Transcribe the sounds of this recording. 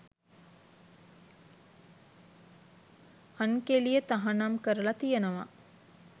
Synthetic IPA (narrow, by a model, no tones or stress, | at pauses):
hankelijət̪aɦanamkəɾəlat̪ijənəʋa̰